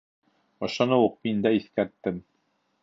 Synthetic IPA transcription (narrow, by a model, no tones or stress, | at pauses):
ɒ̆ʃɑnɤwuq̚mind̪æiθkæɾt̪ːɘm